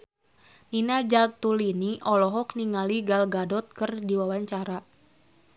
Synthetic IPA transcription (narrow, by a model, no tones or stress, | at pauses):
ninad͡ʒat̪uliniʔɔlɔɦɔk̚niŋaliɡalɡadɔt̪̚kərdiwawaɲt͡ʃaɾa